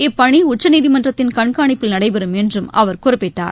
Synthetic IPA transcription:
ɛpːɐɳiʊt͡ʃːɐniːðimɐndrɐt̪ːɪnkɐɳkaːɳɪpːɯlnɐɽɐɪpɛɾɯmɛndrɯmɐ̰ʋɐɾkʊrɐɪpːɪʈːa̰ːɾ

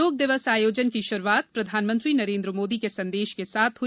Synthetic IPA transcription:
oːk̚d̪ɪʋəsaːjoːd͡ʒənkiʃʊɾuaːt̪̚pɾɐd̪ʱaːnmə̃nt̪ɾinɐɾẽːnd̪ɾəmoːd̪ikesɐ̃nd̪eːʃkesaːt̪ʰɦʊ

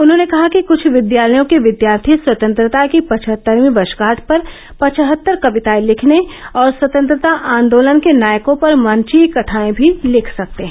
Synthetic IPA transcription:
ʊnɦõːnekɐɦakikʊt͡ʃʰʋɪd̪jaːləjõkeʋɪd̪jaːɾt̪ʰiswɐt̪ə̃nt̪ɾət̪akipɐt͡ʃʰɦət̪ːəɾmĩbɐʃɡaːʈʰpɐɾ | pɐt͡ʃʰɦət̪ːəɾkɐʋɪt̪aːilɪkʰneɔːɾswɐt̪ə̃nt̪ɾət̪aʔãːnd̪oːlənkenaːjkõpɐɾmɐnt͡ʃikɐʈʰaːẽbʱilɪkʰsɐk̚t̪eɦɛ̃

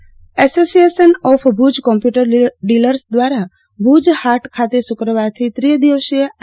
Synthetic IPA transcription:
ɛsosijeʃənɔfʰbʱud͡ʒkɔ̃mpjuʈəɾɖiləɾsd̪ʋaɾa | bʱud͡ʒhaɾʈkʰat̪esʊkɾəʋaɾt̪ʰit̪ɾid̪iʋəʃie

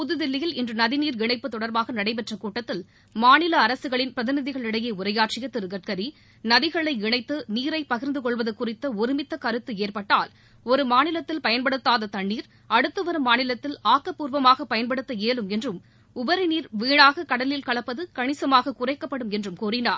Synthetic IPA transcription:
pʊðɯðɪlːɪjɪlɪndrɯnɐðɪniːɾɪɳɐɪpːɯt̪ɔɽɐɾbaːɣɐnɐɽɐɪp̬ɛʈrɐkuːʈːɐt̪ːɪl | maːnɪlɐːɾɐsɯɣɐɭɪnpɾɐðɪnɪðɪɣɐɭɪɽɐjeːʊɾɐjaːʈt͡ʃɪjɐt̪ːɪɾɯɣɐʈ̚kɐɾi | nɐðɪɣɐɭɐɪɪɳɐɪt̪ːɯniːɾɐɪpɐɣɪɾnd̪ɯkɔɭʋɐðɯkːʊrɪt̪ːɐɔɾɪmɪt̪ːɐkɐɾɯt̪ːɯeːrpɐʈːaːl | ɔɾɯmaːnɪlɐt̪ːɪlpɐjɐnpɐɽɯt̪ːaːðɐt̪ɐɳːiːɾ | ɐɽɯt̪ːɯʋɐɾɯmːaːnɪlɐt̪ːɪlaːkːɐpːuːɾʋɐmaːɣɐpɐjɐnpɐɽɯt̪ːɐeːlɯmɛndrɯm | ʊbɐɾɪniːɾʋiːɳaːɣɐkɐɽɐlɪlkɐɭɐpːɐðɯkɐɳɪsɐmaːɣɐkʊrɐɪkːɐpːɐɽɯmɛndrɯmkuːrɪnaːɾ

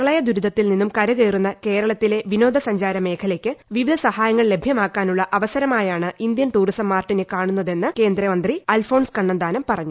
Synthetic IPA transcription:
ɐɭɐjɐd̪uɾud̪ʱɐt̪ːilninːumkɐɾɐɣeːrunːɐke̞ːɾɐɭɐt̪ːile̞ʋino̞ːd̪ʱɐsɐɲd͡ʑaːɾɐme̞ːkʰɐlekʲːɨʋiʋid̪ʱɐsɐhaːjɐŋːɐɭle̞bʱjɐmaːkːaːnuɭːɐʔɐʋɐsɐɾɐmaːjaːɳɨʔind̪jɐnʈuːrisɐmːaːrʈːinekaːɳunːɐðe̞nːɨke̞ːnd̪ɾɐmɐnd̪riɐlfo̞ːɳskɐɳːɐnd̪aːnɐmpɐrɐɲːu

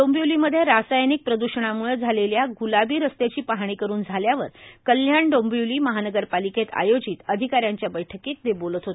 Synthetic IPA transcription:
ombjuliməd̪ʱːjeɾasajnik̚pɾəd̪uɕəɳ̃amuɭəd͡zʱaleljaɡulabiːɾəst̪et͡ɕiːpaɦɳ̃iːkəɾuːnd͡zʱaljaʋəɾkəlːjaɳɖombjuliːməɦanəɡəɾpaliket̪a̰jod͡ʑiːt̪əd̪ʱikaɾjaɲt͡ɕjabəjʈʰəkiːt̪̚d̪ebolət̪ɦot̪e

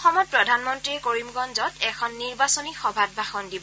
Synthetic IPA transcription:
xɔmɔt̚pɹɔdʱanmɔntɹiɛkoɹimɡɔnzɔtɛkʰɔnːiɹbasɔnixɔbʱad̚bʱaxɔndibɔ

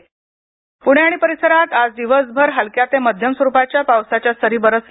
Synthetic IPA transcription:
puɳ̃jaɽ̃ipəɾisəɾat̪ad͡zd̪iʋəsbʱəɾɦalkjat̪eməd̪ʱjəmsʋəɾupat͡ɕjapawsat͡ɕjast̪əɾiːbəɾəs

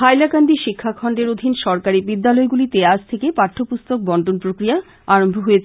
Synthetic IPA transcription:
ajlakand̪iʃikʰːakʰɔɳɖeɾod̪ʱinʃɔɾkaɾibid̪ːalɔeɡulit̪ead͡ʑt̪ʰekepaʈʰːopust̪ok̚bɔɳɖonpɾokɾija | aɾombʱoɦojet͡ɕʰ

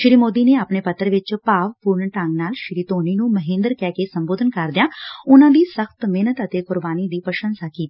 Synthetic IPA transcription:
ʃɪɾiːmoːd̪iːneːapneːpət̪ːəɾʋɪt͡ʃpaːʋpuːɾɳʈəŋɡnaːlʃɪɾiːt̪oːniːnũːməɦɪ̃nd̪əɾkɛːkesəmboːd̪ʱənkəɾd̪ɪjaːʊnãːd̪iːsəxt̪meːnət̪ət̪eːkʊɾbaːniːd̪iːpəʃə̃nsaːkiːt̪ː

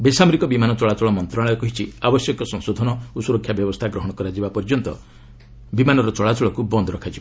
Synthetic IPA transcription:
besamɔɾikɔbimanɔt͡ʃɔɭat͡ʃɔɭɔmɔnt̪ɾaɭɔjɔkɔɦit͡ʃʰiabɔsjɔkɔsɔ̃ŋsod̪ʱɔnɔusuɾɔkʰjabjɔbɔst̪ʰaɡɾɔɦɔɽ̃ɔkɔɾad͡ʒibapɔɾd͡ʒɔnt̪ɔ̰ | bimanɔɾɔt͡ʃɔɭat͡ʃɔɭɔkubɔnd̪ɔɾɔkʰad͡ʒiba

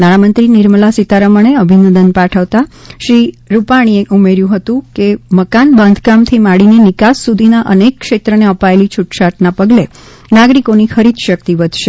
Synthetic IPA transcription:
naɽ̃amənt̪ɾinɪɾməlasit̪aɾəməɳ̃eəbʱinə̃nd̪ənpaʈʰəʋt̪aʃɾiɾupaɽ̃ieʔumeɾjũɦət̪ũkeməkanbãnd̪ʱɡamt̪ʰimaɽinenɪkassud̪ʱinaʔənekːʃet̪ɾəneəpaelit͡ʃʰuʈʃaʈnapəɡle | naɡɾikonixʰəɾid̪ʃək̚t̪iʋəd̪ʱʃe

